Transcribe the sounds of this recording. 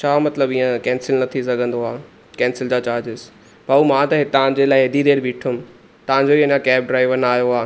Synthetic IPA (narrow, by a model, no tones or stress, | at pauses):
t͡ɕʰamɐt̪ləbĩːə̃kɛ̃ːnsɪlnɐt̪ʰis̬ɐɡʱə̃nd̪oaː | kɛ̃ːnsɪld͡ʑaːt͡ɕaːɾd͡ʑɪz | bɐumãt̪ɐɦɪt̪ɐʋ̤ãd͡ʑelaːɪɦɪd̪id̪eːɾbiːʈʰʊm | t̪ɐʋ̤ãɲd͡ʑoiːɐɲãkɛːb̚ɖɾaːɪʋənaːjoaː